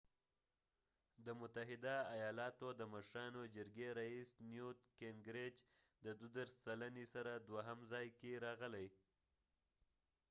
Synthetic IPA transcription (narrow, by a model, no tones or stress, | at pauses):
d̪əmʊt̪aɦɪd̪aːjɑlɑt̪od̪əməʃɾɑnod͡ʒəɾɡeɾaisnjut̪keŋɡɾed͡ʒ | d̪əd̪ud̪əɾst͡salanesaɾad̪waɦamzɑjkeɾɑɣəlaj